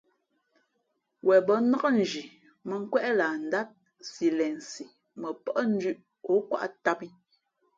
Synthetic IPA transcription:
wɛ˨bə˨˦nə˦kə˦n̩˨d͡ʒi˨ | mə˨ŋ̩˦kwɛ˦ʔlaː˨n̩˨da˦t̚ | si˨lɛ˨n˨si˨ | mə˨pə˦ʔn̩˦d͡ʒʉ˦ʔ | o˨˦kwa̰˦ʔta˦pi˦

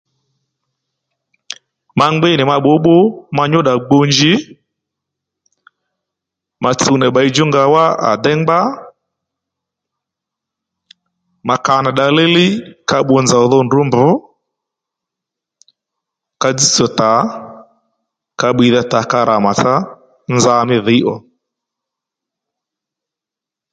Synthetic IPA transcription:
ma˧ŋɡ͡bɪ˦nɪ˨ma˧ɓo˨˦ɓo˦ma˧ɲʊ˦ɗa˨ɡ͡bo˧nd͡ʒɪ˦ | ma˨t͡su˨nɛ˨ɓa˨˦i˦d͡ʒʊ˦ŋɡa˧wa˦a̰˨dɛ˦ŋɡ͡ba˦ | ma˨ka˨na˨ɗa˨lɪ˦lɪ˦ka˦ɓo˧nd͡za˨ɔ˨ðɔ˦ndʊ˨˦mbʊ˨˦ | ka˧d͡zi˦t͡sɔ˨ta˨˦ | ka˧ɓwi˨ða˦ta˨ka˧ɾʔa˨ma˨t͡sa˦ | nza˦˧mɪ˦ðɪ˨˦ʔɔ˨

